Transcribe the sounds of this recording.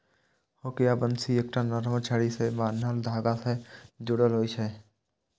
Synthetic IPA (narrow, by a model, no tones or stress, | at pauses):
hoːkejabənsiek̚ʈanəɾmət͡ʃʰaːɽisemaːnːald̪ʱaːɡased͡ʒʊɽəlɦoːit͡ʃʰɛ